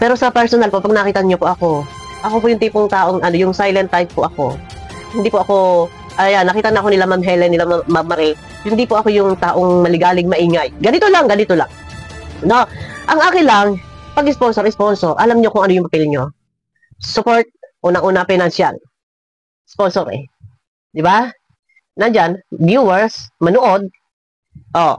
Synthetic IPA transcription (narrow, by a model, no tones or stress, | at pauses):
pɛːɾosɐpɛɾsonɐlpo̞pɐɡnɐkiːt̪ɐɲopoʔɐko̞ | ʔɐkopojʊŋt̪iːpʊŋt̪aːʔoŋʔɐno̞jʊŋsajlɐnt̪ːaj̚poʔɐko̞ | hɪnd̪iːpoʔɐko̞ | ʔɐjanːɐkiːt̪ɐnɐʔɐko̞nɪlamamɦɛlɛnɪlamamɐmɐɾɛ | hɪnd̪ipʊʔɐko̞jʊŋt̪aːʔo̞ŋmɐlɪɡaːlɪɡ̚mɐʔiːŋajɡɐnɪt̪olaŋɡɐnit̪ola̰ŋ | noʔɐŋʔaːkɪnlaŋpɐɡɪsponsoɾɪsponsoɾʔɐlamɲo̞kʊŋʔɐnojʊŋpɐpɛlɲo̞ | sʊpoɹt̪̚ʔuːnɐŋʔuːnapɛnɐnsja̰n | sponsoɾɛ̰ | d̪ɪba | nɐnd͡ʒand̪juwɛɹsmɐnoʔo̞d̪̚ | ʔo